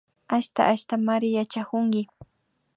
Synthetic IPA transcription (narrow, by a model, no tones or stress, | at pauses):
aʃt̪a̰ʔaʃt̪amaɾɪjat͡ʃakʊŋɡɪ